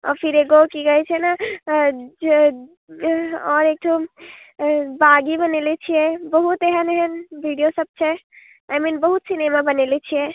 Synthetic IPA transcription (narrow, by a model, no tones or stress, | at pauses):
ɔ̰ɾpʰiɾeɡokiɡəɛt͡ʃʰɛna | ɔɾek̚ʈʰo | baɡibənelɛt͡ʃʰijɛbəɦut̪eɦəneɦənbʱiɖijosəb̚t͡ʃʰɛ | ajminbəɦut̪sinemabənelɛt͡ʃʰijɛ